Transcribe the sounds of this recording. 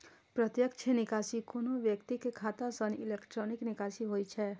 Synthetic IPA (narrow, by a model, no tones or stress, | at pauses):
pɾət̪jəkt͡ʃʰenɪkaːsikonoʋjəkt̪ikekʰaːt̪asənɪlekʈɾoːnɪknɪkaːsiɦoːit͡ʃʰɛ